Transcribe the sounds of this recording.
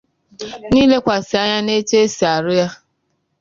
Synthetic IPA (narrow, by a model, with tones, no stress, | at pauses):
niː˦le˦kʷa˨sɪ˨a˦ɲa˦ne˦t͡ʃe˦si˨a˨ɾʊ˦ja˦